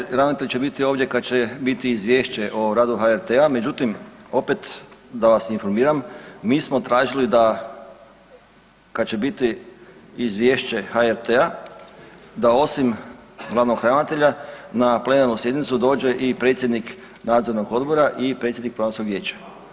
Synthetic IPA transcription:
ɾaʋnat̪eʎʲt͡ɕebit̪io̞ːʋd̪ʲje̞kad̪̚t͡ɕe̞bit̪iːzʋʲje̞ːʃt͡ɕe̞ʔoɾaːd̪uxaeɾt̪eame̞d͡ʒut̪imo̞pet̪d̪aʋasinfo̞ɾmiːɾammiːsmot̪ɾaːʒilid̪a | kad̪t͡ɕe̞bit̪iː | zʋje̞ːʃt͡ɕe̞xaeɾt̪ea | d̪ao̞simɡlˠaʋnoɡɾanat̪e̞ʎanaple̞naɾnusje̞d̪nit̪sud̪o̞ːd͡ʒe̞ʔipɾe̞t̪sʲjed̪nik | naːd̪zo̞ɾnoɡo̞d̪bo̞ɾaʔipɾet̪jed̪nikpɾoanonskoɡʋje̞ːt͡ɕḁ

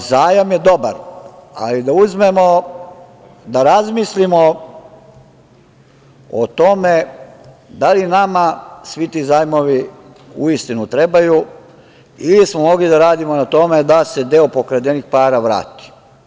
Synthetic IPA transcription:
zaːjamjed̪o̞baɾa̰lid̪auzme̞mo | d̪aɾazmislimo | o̰t̪o̞me | d̪alinamasʋit̪iːzaːjmo̞ʋi | uist̪inut̪ɾe̞baju | ilismomo̞ɡlid̪aɾaːd̪imo̞nat̪o̞me̞d̪ase̞d̪eopo̞kɾed̪enixpaːɾaʋɾa̰ːt̪i̥

